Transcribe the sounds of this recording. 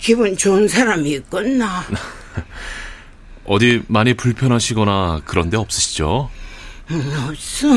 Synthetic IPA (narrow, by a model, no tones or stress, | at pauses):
kibunt͡ɕonsʰaɾamiːk͈ʌnːa | ʌdimaɲipuɭpʰjʌnɦaɕʰiɡʌnakɯɾʌnde̞ʌp̚s͈ɯɕʰi̥d͡ʑo | ʌs͈ɯ